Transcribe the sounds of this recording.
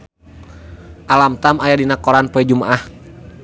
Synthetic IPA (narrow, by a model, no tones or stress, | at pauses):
ʔalamt̪amajadinakɔɾanpɔɛd͡ʒumaʔah